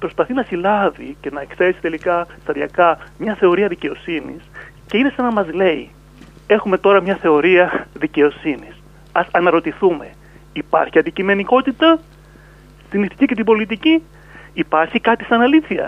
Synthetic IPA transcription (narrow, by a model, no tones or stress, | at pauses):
pɾo̞spɐθinɐsilɐvice̞nɐeksesi̥t̪e̞likɐst̪ɐðiɐkɐmɲɐθe̞o̞ɾiɐðice̞o̞sinḭs | ce̞ine̞sɐnɐmɐzle̞ḭ | e̞xume̞t̪o̞ɾɐmɲɐθe̞o̞ɾiɐðice̞o̞sinis | ɐsɐnɐɾo̞t̪iθume̞ | ipɐ̰ɾçiɐnd̪icime̞niko̞t̪it̪ɐ | t̪iniθi̥cice̞t̪̬ibo̞lit̪̬iciː | pɐɾçikɐt̪i̥sɐnɐliθiɐ̰